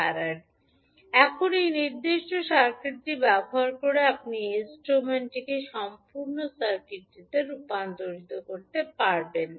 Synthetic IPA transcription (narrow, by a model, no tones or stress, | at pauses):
aɾeɾ | ɛkʰonejniɾd̪eʃʈoʃaɾkʰɾit̪ibɛboɦaɾkoɾeap̚niinsʈɾomeɳʈikeʃɔmpuɾnosaɾkiʈːid̪eɾupand̪oɾit̪okoɾt̪epaɾben